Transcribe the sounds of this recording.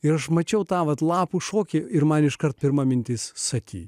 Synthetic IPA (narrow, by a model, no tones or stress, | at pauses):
ɪɾɐʃmɐt͡ʃʲɛʊt̪ɑːʋɐt̪lˠɑːpuʃoːkʲɪɪɾmɐnɪʃkɐrt̪̚pʲɪɾmɐmʲɪnʲt̪ʲɪssɐkʲḭː